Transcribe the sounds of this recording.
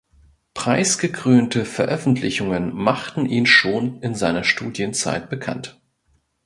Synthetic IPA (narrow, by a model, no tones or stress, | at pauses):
pʁ̥aɪsɡ̥əkʁ̥øːntʰəfɛɐʔœfn̩tʰlɪçʊŋənmaχtn̩ʔiːnʃoːnɪnzaɪnɐʃtuːdjənt͡sa̰ɪt̚b̥əkʰa̰nt